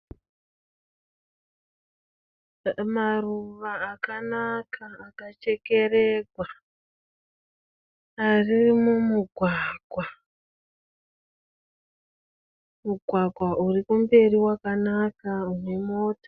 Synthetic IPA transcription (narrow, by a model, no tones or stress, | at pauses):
maruʋaːkanakʰaːkat͡ʃe̞ke̞reɡʱwa | aririmumuɡʱwaːɡ̥ʱwa | muɡʱwaɡʱwaʔurikumbe̞riwakanakaumwe̞mo̞ːto̥